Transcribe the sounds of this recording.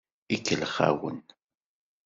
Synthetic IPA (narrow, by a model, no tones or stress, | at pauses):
ikːəlχa̰wə̰n